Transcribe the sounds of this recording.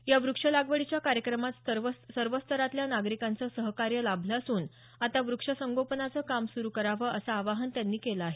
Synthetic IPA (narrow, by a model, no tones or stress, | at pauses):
jaʋɾukʂəlaɡʋəɭit͡ɕjakaɾjəkɾəmat̪əʋəsəɾʋəst̪ʰəɾat̪ljanaɡɾikant͡səsəɦkaɾjəlabʱlasuːn | at̪aʋɾukʂəsəŋɡopənat͡səːkamsuɾuːkəɾaʋəːʔəsaːʋaɦənt̪janːiːkelaaɦe